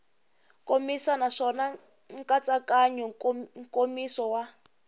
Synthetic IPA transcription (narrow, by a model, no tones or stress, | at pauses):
komisanaʂɔna | ŋ̩kʼat͡sʼakaɲɔŋkʼomisɔwa